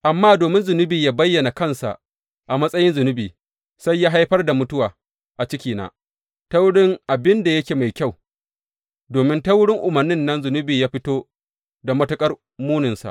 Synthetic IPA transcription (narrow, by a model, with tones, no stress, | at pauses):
ʔa˨mːaː˦doː˨mɪ˦nzʊ˨nʊ˦biː˨jaː˦bɐ˦jːɐ˨na˨kɐ˦˨nsa̰˨ʔ | ʔa˨mɐ˦sʼɐ˦jɪ˦nzʊ˨nʊ˦biː˨ | sa˦jːaː˦ɦa˦jɸɐ˦rda˨mʊ˦tʊ˦waː˨ | ʔa˨t͡ʃɪ˦kʲiː˨na̰ː˦ | ta˦wʊ˦ɽɪ˦ŋʔa˨bɪ˦nda˨jɐ˦kʲeː˨ma˨jkʲa˦˨w | doː˨mɪ˦ntɐ˦wʊ˦ɽɪ˦ŋʔʊ˨mɐ˨rnːɪ˦nːɐ˦nzʊ˨nʊ˦biː˨jaː˦ɸɪ˦toː˦ | da˨mɐ˦tɐ˦kʼɐ˦r | muː˦nɪ˨nsa̰˨ʔ